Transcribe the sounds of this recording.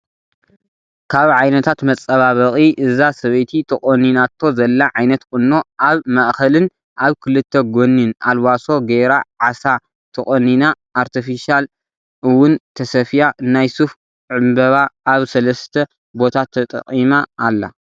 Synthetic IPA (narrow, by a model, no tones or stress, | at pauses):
kʰaβʕajnɐt̪ʰat̪mɐt͡sʼːɐβaβɐχʼiʔɨzasɐβɐjt̪ʰit̪ʰɐkʼoninat̪ʰːo̞zɐlːaʕajnɐt̪kʼɨnːo̞ʔaβmɐʔxɐlɨn | ʔaβkʰɨlɨt̪ʰːɐɡo̞nːina̰lwaso̞ɡeɾaʕasa | t̪ʰɐχʼonina | ʔːɾt̪ʰifiʃal | ɨwʊnt̪ʰɐsɐfjanajsuf | ʕɨmbɐβaʔːβsɐlɐst̪ʰɐ | bo̞t̪ʰat̪ʰːɐt̪ʼɐ̰qʼimaːlːa̰